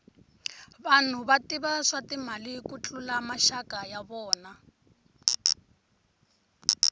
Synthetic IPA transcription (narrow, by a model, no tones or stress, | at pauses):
βan̤uβatiβaʂatim̤alikut͡ɬʼulamaʃakajaβɔːna